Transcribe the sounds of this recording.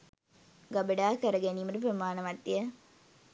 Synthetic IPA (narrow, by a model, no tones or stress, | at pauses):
ɡabəɖaːkəɾəɡeniːməɾup̬ɾəmaːnəʋɐt̪ːijə